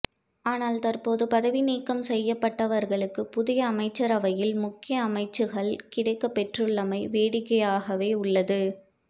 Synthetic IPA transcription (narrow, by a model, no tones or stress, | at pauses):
aːnaːlt̪ɐɾpoːðɯpɐðɐʋɪniːkːɐmsɛjːɐpːɐʈːɐʋɐɾɣɐɭɯkːɯpʊðɪjɐːmɐɪt͡ʃːɐɾɐʋɐjɪlmʊkːɪjɐːmɐɪt͡ʃːɯɣɐɭkɪɽɐɪkːɐpːɛʈrɯɭːɐmɐɪʋeːɽɪkːɐjaːɣɐʋeːʊɭːɐðɯ